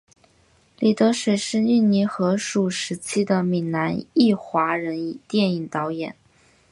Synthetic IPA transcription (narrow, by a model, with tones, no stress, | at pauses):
li˨˩t̪ɤ˧˥ʂwe˨˩ɪʂɻ̩˥˧y˥˩nni˧˥xɤ˧˥ʂu˨˩ʂɻ̩˧˥t͡ɕʰi˥d̪ə˨mi˨˩ŋna˧˥ni˥˩xwa˧˥ɻə˧˥ni˨˩t̪jɛ˥˩ni˨˩ŋt̪ɑ˧˥ʊjɛ˨˩˦n